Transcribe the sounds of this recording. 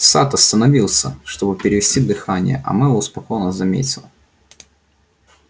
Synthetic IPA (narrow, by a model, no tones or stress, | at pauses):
sat̪ɐst̪ənɐvʲilˠsʲəʂt̪o̞bɨpʲɪɾʲɪvʲɪsʲtʲid̪ɨxanʲɪ̰jə̰ʔɐ̰mɨoʊspɐkojnəzɐmʲḛtʲɪlˠ